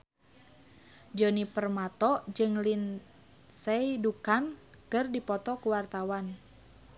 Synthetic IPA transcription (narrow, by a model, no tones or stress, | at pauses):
d͡ʒɔnipərmat̪ɔd͡ʒɨŋlin | sɛidukan | kɨrdipɔt̪ɔkuwart̪awan